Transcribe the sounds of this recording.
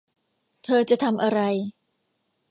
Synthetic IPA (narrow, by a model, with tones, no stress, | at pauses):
t̪ʰɤː˧t͡ɕa˨ʔt̪ʰa˧mʔa˧ɾa˧j